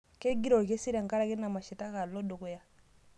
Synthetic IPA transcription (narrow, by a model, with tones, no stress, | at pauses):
ke˦ɡi˦ɾɔ˨ke˦si˦ɾa˨ŋka˦ɾa˦ke˦na˨ma˨ʃi˨ta˦ka˨lɔ˦du˨ku˦ja˦